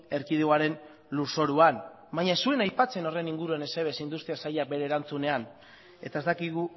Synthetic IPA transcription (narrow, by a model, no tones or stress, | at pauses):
e̞ɾkiðeoaɾe̞n | luso̞ɾuan | bajɲasue̞najpat͡se̞no̞re̞niŋɡuɾuane̞seβe̞sind̪ust̪iasajak̚be̞ɾe̞ːɾant͡sune̞an | e̞t̪ae̞st̪akiɣu